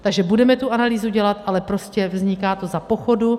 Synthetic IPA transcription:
t̪aɡʒɛbudɛmɛt̪uʔanaliːzuɟɛlat̪ʔalɛpɾo̞scɛvzɲɪkaːt̪o̞zapo̞xo̞du

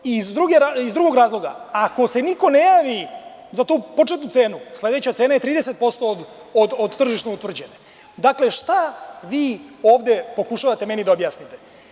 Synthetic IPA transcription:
izd̪ɾuɡeɾaizd̪ɾuɡo̞ɡɾaːzlˠo̞ɡa̰ako̞se̞niko̞ne̞jaːʋi | zat̪uːpo̞t͡ʃet̪nut̪se̞ːnusle̞d̪e̞t͡ɕat̪eːnaje̞t̪ɾiːd̪e̞se̞t̪̚po̞st̪o̞d̪ | od̪od̪t̪r̩ʒiʃnout̪ʋr̩d͡ʑe̞ne | d̪akle̞ʃt̪aʋiːo̞ːʋd̪e̞po̞kuʃaʋat̪e̞me̞nid̪aobjaːsnit̪e̞̥

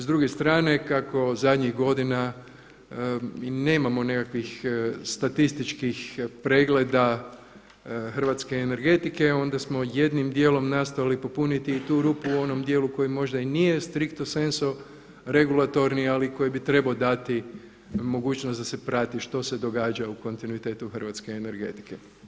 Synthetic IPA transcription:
zd̪ɾuɡest̪ɾaːne̞kako̞zad̪ɲiɣɡo̞d̪ina | ine̞ːmamo̞ne̞kakʋixst̪at̪ist̪it͡ʃkixpɾe̞ːɡle̞d̪a | xr̩ʋat̪ske̞ːne̞ɾɡe̞t̪ike̞o̞nd̪asmo̞je̞d̪nimd̪je̞ːlo̞mnast̪ojalipo̞punit̪iːt̪uːɾupuo̞no̞md̪je̞ːluko̞jimo̞ʒd̪ainije̞st̪ɾikt̪ose̞nso | ɾe̞ɡulat̪o̞ɾnialiko̞jibit̪ɾe̞baod̪at̪i | mo̞ɡuːt͡ʃnosd̪ase̞pɾat̪iʃt̪o̞se̞d̪o̞ɡaːd͡ʒauko̞nt̪inuit̪e̞ːt̪uxr̩ʋat̪skeːne̞ɾɡe̞̰t̪i̥ke̞

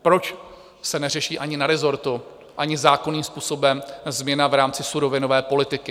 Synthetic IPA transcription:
pɾo̞t͡ʃ | sɛnɛr̝ɛʃiːʔaɲɪnaɾɛzo̞ɾt̪u | ʔaɲɪzaːko̞niːmspuːso̞bɛmzmɲɛnavɾaːmt͡sɪsuɾo̞vɪno̞vɛːpo̞lɪt̪ɪkɪ

